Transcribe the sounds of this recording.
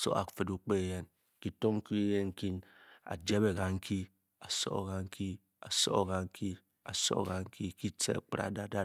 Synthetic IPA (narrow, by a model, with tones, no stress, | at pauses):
so̰˦a̰˨fɨ˨du˦k͡pe˦˨je˦n˨ | ki˨to˦ŋ̩˦ki˦e˦je˦ŋ̩˨ki˦na̰˨d͡ʒe˦be˨ɣa˨ŋ̩˦kʰi˦ | a˨so̰˦˨ɣa˦ŋ̩˦kʰi˦ | a̰˨so̰˦˨ɣa˦ŋ̩˦kʰi˦ | a˨so̰˦˨ɣa˨ŋ̩˦kʰi˦ki˦t͡sḛ˦˨k͡pi˦ɾa̰˨da˦da˦